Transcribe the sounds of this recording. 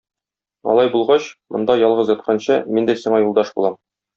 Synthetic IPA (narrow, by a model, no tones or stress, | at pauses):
ɒ̰lˠɑjbulˠʁɑɕmŏnd̪ɑjɒlˠʁɤzjɒt̪̚qʰɑnɕɤmind̪æsiɴɑjulˠd̪ɑʃbṵlˠɑm